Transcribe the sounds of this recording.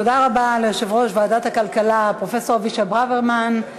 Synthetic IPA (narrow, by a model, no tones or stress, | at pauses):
tod̪aʁabalejoʃevʁo̞ʃvaːdat̪hakalkalapʁo̞fe̞so̞ʁviʃabʁaveʁman